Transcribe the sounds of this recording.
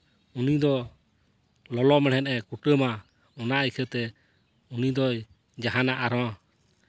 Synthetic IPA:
unid̪ɔ | lɔlɔmɛɽɛnʔɛkuʈəma | ɔnaikʰət̪ɛ | unid̪ɔj | d͡ʒaɦanaʔaɾɔ̃

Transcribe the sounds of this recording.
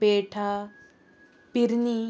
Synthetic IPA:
peːʈʰa | piɾni

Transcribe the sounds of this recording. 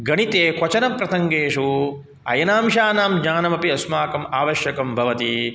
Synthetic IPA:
ɡɐɳit̪eːkʋɐt͡ʃɐnɐmpɾɐsʰɐŋɡeːʂu | ɐ̰jɐnaːmʃaːnaːmɲaːnɐmɐpiɐsmaːkɐmaːʋɐʃjɐkɐmbʱɐʋɐt̪i

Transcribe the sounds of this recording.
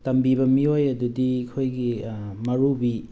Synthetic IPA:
tɐmbiβɐmiojɐdudiːkʰojɡimɐɾubi

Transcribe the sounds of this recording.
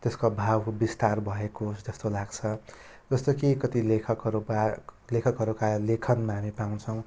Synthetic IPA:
t̪eskobʱawbist̪arbʱʌekosd͡zʌst̪olaɡt͡sʰʌ | d͡zʌst̪okikʌt̪ilekʰʌkɦʌɾupalekʰʌkɦʌɾukalekʰʌnmaɦamipaw̃nt͡sʰʌw̃

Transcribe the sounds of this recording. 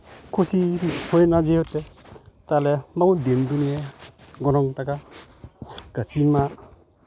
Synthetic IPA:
kʰusiɾihojnad͡ʒeɦot̪ːet̪alemaɡud̪emd̪unieɡɔnɔŋtaka | ɡ̥asinma

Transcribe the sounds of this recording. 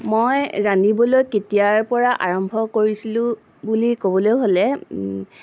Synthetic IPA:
mojzanibɔlojketijaɹpɔɹaʔaɹɔmbʱɔkoɹisilʊ̃ | bulikobɔlojɦolɛ

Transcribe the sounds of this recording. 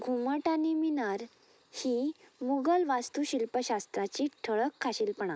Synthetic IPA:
ɡʱuməʈaniminaɾ | himuɡəlʋast̪uɕilpəɕast̪ɾat͡ɕiʈʰəɭəkʰːaɕiːlpəɳa

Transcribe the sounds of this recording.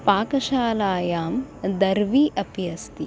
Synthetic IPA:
paːkɐʃaːlaːjaːmd̪ɐɾʋiːʔɐpjɐst̪i

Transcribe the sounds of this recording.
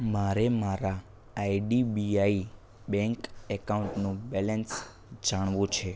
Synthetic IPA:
maɾemaɾaː | iɖibiai | bɛ̃ŋkɛkauɳʈnũbɛləns | d͡ʒaɳ̃ʋũt͡ʃʰe

